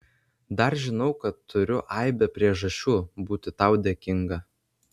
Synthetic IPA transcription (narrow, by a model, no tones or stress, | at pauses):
d̪ɐɾʒʲɪnɒʊkɐt̪ʰːʊɾʲʊʔɐɪbʲɛpʲɾʲiɛʒɐʃʲt͡ʃʲuːbuːt̪ʲɪt̪ɐʊd̪ʲeɛkʲɪŋɡɐ